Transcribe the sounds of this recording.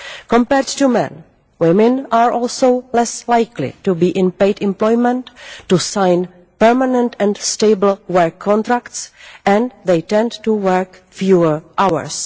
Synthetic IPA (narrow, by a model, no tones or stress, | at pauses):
kɔ̃mpɛɾdtumɛ̰̃n | wɪmɪ̃nʔaːɹʔɔlsowlɛslajklɪ̰tubiːʔɪ̃npeɪdɪ̃mplɔjmɛ̃ntːusãjn | pɛɹmanɛ̃ntɛ̃ntsteɪbl̩ˠwɛɹkʰːɔ̃nt̪ɾaktsʔɛ̃nðejtɛ̃ndtuwɛɹkfjuəɹʔawə̰ɹs